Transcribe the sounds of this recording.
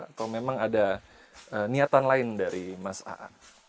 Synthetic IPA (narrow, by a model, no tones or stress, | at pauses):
at̪awmemaŋada | əniat̪anlaɪndaɾimasa̰ʔa̰